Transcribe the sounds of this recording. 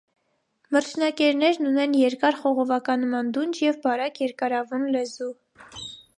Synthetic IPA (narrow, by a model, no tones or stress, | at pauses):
məɾt͡ʃʰnɑkɛɾnɛɾnunɛnjɛɾkɑɾχɔʁɔvɑkɑnmɑnd̪und͡ʒjɛvbɑɾɑkjɛɾkɑɾɑvunlɛzu